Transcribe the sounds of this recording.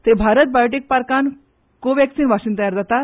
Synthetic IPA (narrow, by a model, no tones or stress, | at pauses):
t̪ebʱaɾət̪̚bajoʈik̚paɾkan | koʋɛksiːnʋaɕiːnt̪əjaɾd͡zat̪a